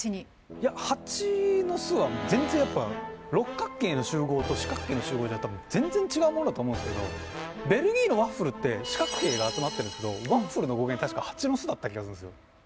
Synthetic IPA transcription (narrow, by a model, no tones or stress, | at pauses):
ɲi | jahat͡ɕino̞sɨβamozẽ̞nd͡zẽ̞ɰ̃japːaɾo̞kːakːe̞ːno̞ɕɨːɡo̞ːt̪o̞ɕi̥kakːe̞ːno̞ɕɨːɡo̞ːd̪eat̪abɯ̟̃nd͡zẽ̞nd͡zẽ̞ɲt͡ɕiɡaɯ̟monod̪t̪oːmõnesɨ̥keo̞̰be̞ɾɯ̟ɡʲiːno̞βãɸɯ̟ɾɯ̟t̪ːe̞ɕi̥kakɯ̟̥ke̞ːɡaːt͡sɨmat̪ːeɾɯ̃sɨ̥ke̞d̪o̰βãɸɯ̟ɾɯ̟no̞ɡo̞ɡeɲt̪aɕi̥kahat͡ɕino̞sɨd̪at̪ːakʲiɡasɨɯ̃nd̪sɨjo̰